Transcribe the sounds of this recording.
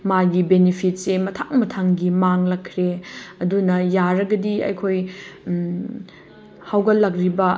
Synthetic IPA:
maɡibenepʰit̚semɐtʰaŋmɐtʰaŋɡimaŋlɐkʰːɾeɐdunɐjaɾɐɡɐdiɐ̰jkʰoj | hawɡɐlɐkɾibɐ

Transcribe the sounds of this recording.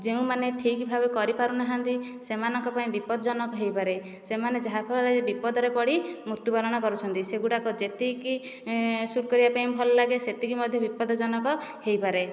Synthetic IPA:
d͡ʒeũmaneʈʰikbʱabekɔɾipaɾunaɦant̪isemanɔŋkɔpaĩbipɔd̪ɔd͡ʒɔnɔkɔɦejpaɾe | semaned͡ʒaɦapʰɔlɔɾed͡ʒebipɔd̪ɔɾepɔɽimuɾt̪upalɔɽ̃ɔkɔɾut͡ʃʰɔnt̪iseɡuʈakɔd͡ʒet̪iki | suɾkɔɾibapaĩbʱɔlɔlaɡeset̪ikimɔd̪ʱjɔbipɔd̪ɔd͡ʒɔnɔkɔhejpaɾe

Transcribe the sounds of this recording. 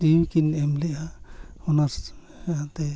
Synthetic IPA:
iwkinɛmlɛʔahɔnas | at̪ɛ

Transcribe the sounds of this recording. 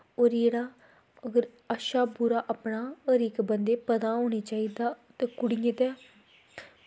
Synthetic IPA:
oːɾjeːɽaː | əɡəɾ | əʃaːpʊɾaːʔapɳaːəɾiːkbənd̪eːpəd̪ãːɦoːɽeːt͡ʃaːiːd̪aːt̪eːkʊɽɪjẽːt̪ɛː

